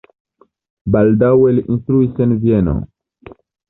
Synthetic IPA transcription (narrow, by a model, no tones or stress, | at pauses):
baldaweliʔinstɾuisenvieno̰